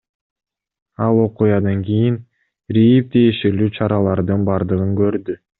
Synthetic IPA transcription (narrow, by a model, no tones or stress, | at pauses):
ɑlˠo̞qujɑd̪ɑŋɡʲijin | ɾijip̚t̪ʰejeʃelyːt͡ʃʰɑɾɑlˠɑɾd̪ɯnbɑɾd̪ɯʁɯŋkø̞ɾd̪y